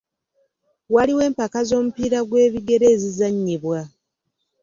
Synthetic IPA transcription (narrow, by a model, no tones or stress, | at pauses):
waliwe̞ːmpakazo̞ːmupiːɾaɡwe̞ːβiɡe̞ɾe̞ːzizaɲːiβwa